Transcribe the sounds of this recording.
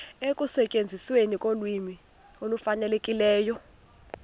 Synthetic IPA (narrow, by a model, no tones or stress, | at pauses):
ekʼusɛcʼend͡zʱiswenikʼolwimi | olufanɛlekʼilɛːjɔ